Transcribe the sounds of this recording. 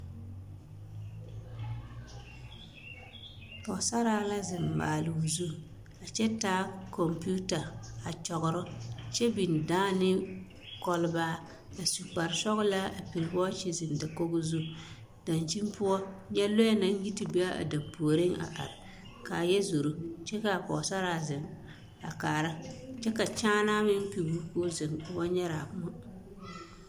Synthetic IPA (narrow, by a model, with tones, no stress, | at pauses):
pɔ˨sa˦ɾaː˦la˦zɪ˨mːa̰ː˨lʊ˨zu˦ | a˨t͡ʃɛ˦taː˦kʰɔ˨mpu˦ta˨a˨t͡ʃɔ˨ɣʊ˨ɾʊ˦t͡ʃɛ˦bi˨n˨daː˦nɪ˦ | kɔ˦lʊ˦baː˦ | a˨su˨k͡pa˨ɾsɔ˦ɣʊ˦la˦a˨pi˨ɾbɔ˦t͡ʃi˦zɪ˨n˨da˨ko˦ɡʊ˦zu˦ | d̥a˨nt͡ʃi˦mpʊ˦ɔ˦ɲɛ˦lo˦ɛ˦na˨˦n˦ɡi˦ti˨be˦a˦ʔa̰˨da˨mpo˨ɾɪ˦ŋa̰˨ʔa̰˨ɾɪ˨ | ka˨jɛ˦zo˨ɾu˦t͡ʃɛ˦ka˨pɔ̰˨sa˦ɾa˨zɪ˨m | a̰˨kaː˨ɾa˦t͡ʃɛ˦ka˨t͡ʃaː˦naː˦mɪ˦m˦pi˨ɡu˦ko˦zɪ˨m˨wa˦ɲɛ˦ɾa˨˦mʊ˦